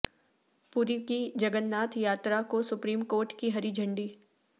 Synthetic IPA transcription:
puɾikid͡ʒɐɡənːaːt̪ʰjaːt̪ɾakosʊpɾiːmkoːɾʈkiɦɐɾid͡ʒʱɐ̃ɳɖi

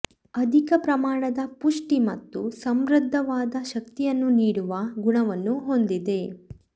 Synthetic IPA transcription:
ɐd̪ʱikɐpɾɐmaːɳɐd̪ɐpuʂʈimɐt̪ːusɐmɾɐd̪ʱːɐʋaːd̪ɐʃɐk̚t̪ijɐnːuniːɽuʋɐɡuɳɐʋɐnːuɦond̪id̪e̞

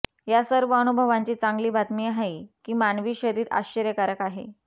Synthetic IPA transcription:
jasəɾʋəənubʱəʋãɲt͡ɕiːt͡saŋɡliːbʱat̪miaɦajkiːmanʋiːɕəɾiːɾa̰ɕəɾjəkaɾəkaɦḛ

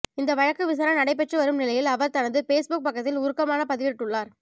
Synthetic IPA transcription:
ɪnd̪ɐʋɐɻɐkːɯʋɪs̬aːɾɐnɐɽɐɪp̬ɛʈrɯʋɐɾɯmnɪlɐjɪlɐʋɐɾt̪ɐnɐðɯfeːsbʊk̚pɐkːɐt̪ːɪlʊɾɯkːɐmaːnɐpɐðɪʋɪɾʈːɯɭːaːɾ

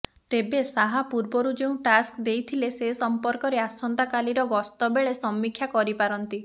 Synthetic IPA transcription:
t̪ebesaɦapuɾbɔɾud͡ʒeũʈaskd̪ejt̪ʰilesesɔmpɔɾkɔɾeasɔnt̪akaliɾɔɡɔst̪ɔbeɭesɔmːikʰːjakɔɾipaɾɔnt̪i

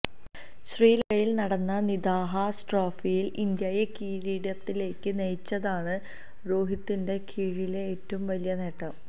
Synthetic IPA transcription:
ɕriːlɐjɐjilnɐɽɐnːɐniðaːɦɐsʈroːfijilind̪jɐjekiːɻiɽjɐt̪ːile̞ːkːɨnejt͡ɕːɐðaːɳɨ | ɾoːɦit̪ːinde̞kʰiːɻile̞ːtːɐʋumʋɐlijɐneːʈːɐm

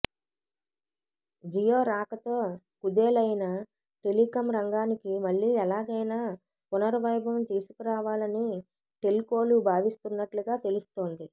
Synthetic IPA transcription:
d͡ʒijoːɾaːkɐt̪o̞ː | kud̪eːlɐjnɐ | ʈe̞likɐmɾɐŋɡaːnikimɐɭːiːɛlaːɡɐjnaː | punɐɾʋɐjbɐmt̪iːsu̥kiɾaːʋaːlɐni | ʈe̞lko̞ːlubʱaːʋist̪unːɐʈluɡaːt̪e̞lust̪o̞ːnd̪i

